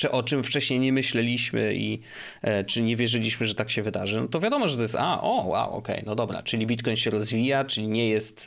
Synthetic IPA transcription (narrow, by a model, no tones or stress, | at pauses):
ɛʔɔt͡ʂɘmft͡ʂɛɕɲejɲɛmɘɕlɛlʲiɕmɘ̰ʔḭ | t͡ʂɘɲɛvʲjɛʐɘlʲiɕmɘʐɛt̪akɕɛvɘd̪aʐɘnɔt̪ɔvʲjad̪ɔmɔʐɛt̪ɔjɛst̪a̰ʔɔwːa̰wɔ̰kɛ̰jnɔd̪ɔbɾa̰t͡ʂɘlʲibʲit̪kɔjnɕɛɾɔzvʲijat͡ʂɘlʲiɲɛjɛst̪